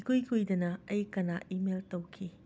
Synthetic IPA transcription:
kʰojkʰojdɐnɐɐjkɐnaʔimeltɐwkʰi

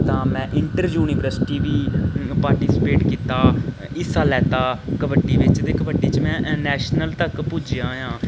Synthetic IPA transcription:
t̪ãːmɛ̃ːʔɪɳʈəɾd͡ʒjuːniːʋəɾsɪ̥ʈiːʋiːpaːɾʈiːsɪpeːʈkiːt̪aː | ɪsaːlɛːt̪aːkəbəɖiːʋɪt͡ʃt̪eːkəbəɖiːt͡ʃmɛ̃ːnɛːʃnəlt̪əkpʊd͡ʒjãːɦjãː

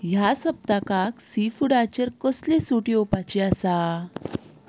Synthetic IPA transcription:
jasəb̚t̪akaksifuɽat͡ɕəɾkəslesuʈiopat͡ɕiasa

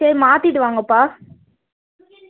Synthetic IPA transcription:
emaːt̪ɪʈːɯʋaːŋɡɐpːaː

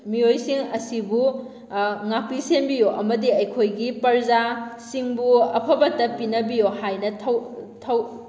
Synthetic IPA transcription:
mijojsiŋɐsibu | ŋak̚pisenbijoʔɐmɐdiɐjkʰojɡipɐɾzasiŋbuɐpʰɐbɐtːɐpinɐbijohajnɐtʰɐwtʰɐw

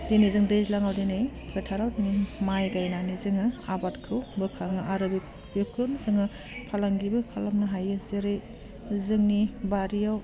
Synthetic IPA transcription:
denizɯŋdejzlaŋawdenejketʰaɾawdinimajɡajnanizɯŋɯabatkʰɯwbɯkʰaŋɯʔaɾɯbi | bjukʰɯnzɯŋa | pʰalaŋɡibɯkʰalamnɐɦajɯseɾej | zɯŋnibaɾijaw

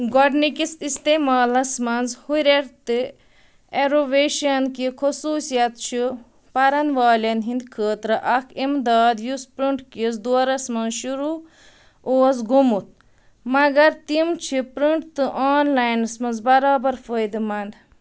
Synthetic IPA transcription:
ɡɔɖnikist̪ist̪eːmaːlɐsmɐnzhuɾʲeɾt̪ɨ | eɾoʋeːʃɐnkikʰusuːsijɐt̪t͡ʃʰi | pɐɾɐnʋaːlʲɐnɦĩnd̪kʰəːt̪ɾɨʔɐkʰimd̪aːd̪juspɾiɳʈkisd̪uɐɾɐsmɐnzʃuɾu | oːs̬ɡumut̪̚ | mɐɡɐɾt̪imt͡ʃʰipɾiɳʈt̪ɨʔaːnlaːjnɐsmɐnzbɐɾaːbɐɾfəjd̪ɨmɐnd̪

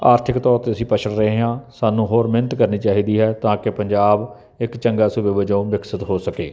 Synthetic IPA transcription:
aːɾt̪ʰɪkt̪ɔːɾt̪eːəsĩːpət͡ʃʰəɽɾəɦeːãːsaːnũːɦoːɾmɪnət̪kəɾniːt͡ʃaːɦiːd̪iːɦɛːt̪ãːkɪpəɲd͡ʒaːb | ɪkt͡ʃəŋɡaːsubeːʋəd͡ʒõːmɪksət̪ɦoːsəkeː

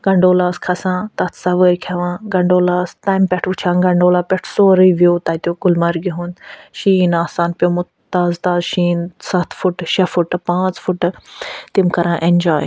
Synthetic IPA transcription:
ɡ̥ɐɳɖoːlaːskʰɐsãːt̪ɐt̪ʰsɐʋəɾkʰɐʋãːɡɐɳɖoːlaːst̪aːjmpʲɛʈʰʋut͡ʃʰãːɡɐɳɖoːlaːpʲɛʈʰsoːɾiʋuːt̪ɐt̪joːɡʊlmɐɾɡiɦũnʃiːnaːsaːnpʲjomu | t̪aːzt̪aːzʃiːnsɐt̪ʰfuʈʃɐfuʈpãːt͡sfʊʈt̪imkɐɾãːʔẽnʲd͡ʒaːj

